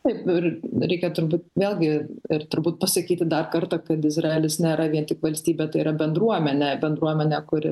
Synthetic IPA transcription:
t̪ɐɪpɪrɾʲɛɪkʲɛt̪ʊɾbuːt̪ʋʲeːlʲˠɡʲɪɪrt̪ʊɾbuːt̪̚pɐsɐkʲiːt̪ʲɪd̪ɐrkɐrt̪ɐkɐt̪ɪzrɑɛːlʲɪsnʲeːɾɐʋʲiɛnt̪ʲɪkʋɐlʲsʲt̪ʲiːbʲɛt̪ɐɪiːɾɐbʲɛnd̪ɾuɔmʲɛnʲɛbʲɛnd̪ɾuɔmʲɛnʲɛkʊɾʲɪ

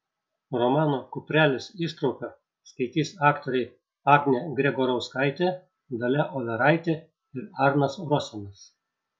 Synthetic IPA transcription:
ɾɔmɑːnoːkʊpʲɾʲæːlʲɪsiːʃt̪ɾɒʊpʲo | skɐɪt̪ʲiːsɑːkt̪oːɾʲɛɪ | ɑːɡʲnʲeɡɾʲɛɡɔɾɒʊskɑˑɪt̪ʲe | d̪ɐlʲɛʔɔlʲɛɾɑɪt̪ʲe | ɪɾɑɾnɐsɾɔsʲɛnɐs

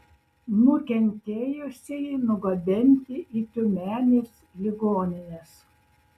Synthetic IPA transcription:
nʊkʲɛnʲt̪ʲeːjʊsʲeɪnʊɡɐbʲɪnʲt̪ʲɪʔiːt̪ʲʊmʲæːnʲeːs | lʲɪɡoːnʲɪnʲes

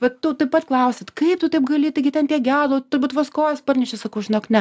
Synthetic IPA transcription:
ʋɐtt̪ʊt̪ɐɪpɐt̪klˠɐʊsʲɛt̪kɐɪpt̪ʊt̪ɐɪpɡɐlʲiːt̪ɐɪɡʲɪtʲɛnt̪ʲiɛɡʲæːdˠoːt̪ʊɾbuːt̪ʋɐskoːjɛspɐrʲnʲɛʃʲɪsɐkɐʊʒʲɪnoːknʲɛ

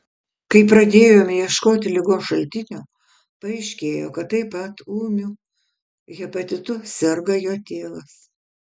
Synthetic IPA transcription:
kɐɪpɾɐd̪ʲeːjoːmʲjiɛʃkoːt̪ʲɪlʲɪɡoːʃɐlʲt̪ʲɪnʲoː | pɐɛɪʃʲkʲeːjoːkɐt̪t̪ːɐɪpɐt̪uːmʲuː | ɣʲɛpɐt̪ʲɪt̪ʊsʲɛɾɡɐjoːt̪ʲeːlˠɐs

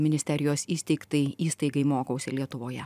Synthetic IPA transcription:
mʲɪnʲɪsʲt̪ʲɛɾʲɪjoːsiːsʲt̪ʲɛɪkt̪ɐɪiːst̪ɐɪɡɐɪmoːkɐʊsʲelʲiɛt̪ʊʋoːjɛ

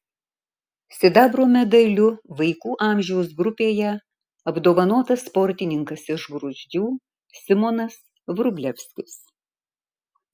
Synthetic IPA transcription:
sʲɪd̪ɑːbɾoːmʲɛd̪ɐlʲʊʋɐɪkuːʔɑˑmʲʒʲɛʊs̬ɡɾʊpʲeːjɛ | ɐbd̪oːʋɐnoːt̪ɐsːpɔɾʲt̪ʲɪnʲɪŋkɐsɪʒɡɾʊzʲd͡ʒ̪ʲuː | sʲɪmɔnɐs | ʋɾʊbʲlʲɛfʲsʲkʲɪs

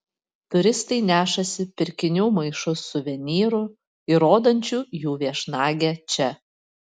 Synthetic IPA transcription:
t̪ʊɾʲɪst̪ɐɪnʲæːʃɐsʲɪpʲɪɾʲkʲɪnʲuːmɐɪʃʊsːʊʋʲɛnʲiːɾʊ | ɪɾoːd̪ɐnʲt͡ʃʲuːjuːʋʲiɛʃnɑːɡʲæt͡ʃʲɛ

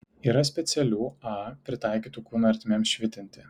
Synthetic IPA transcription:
iːɾɐsʲpʲɛt̪sʲɛlʲuːɑːpʲɾʲɪt̪ɑˑɪkʲiːt̪ukuːnuɐɾʲt̪ʲmʲemsʃʲʋʲɪt̪ʲɪnʲt̪ʲɪ

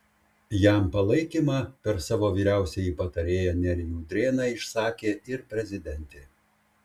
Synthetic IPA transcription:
jæˑmpɐlˠɐɪkʲiːmɑːpʲɛɾsɑːʋoːʋʲiːɾʲæˑʊsʲɛjiːpɐt̪ɐɾʲeːjɛnʲɛɾʲɪjuːd̪ʲɾʲeːnɑɪʃsɑːkʲeːɪɾpʲɾʲɛzʲɪd̪ʲɛnʲt̪ʲe

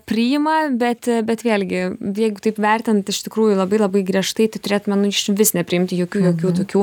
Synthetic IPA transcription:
pʲɾʲɪjɪmɐbʲɛt̪bʲɛt̪ʋʲeːlʲɡʲɪjɛɪɡʊt̪ɐɪpʋʲɛrʲt̪ʲɪnt̪ɪʃt̪ʲɪkɾuːjʊlˠɐbɐɪlˠɐbɐɪɡrʲiɛʃt̪ɐɪt̪ɐɪt̪ʊɾʲeːt̪mʲɛnʊɪʃʋʲɪsnʲɛpʲɾʲɪɪmʲt̪ʲɪjoːkʲuːjoːkʲuːt̪oːkʲuː

